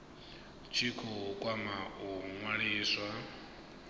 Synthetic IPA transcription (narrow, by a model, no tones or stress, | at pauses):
t͡ʃʰikʰɔɦukʼwamaɦuŋwaɺiːswa